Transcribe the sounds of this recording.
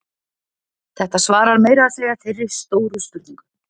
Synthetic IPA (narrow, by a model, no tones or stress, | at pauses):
θɛht̪asvaːɾaɾmeːjɾaðseːjafɪrːɪɾ̥st̪oːwɾʏst̪ʏɾt̪niŋkʏ̥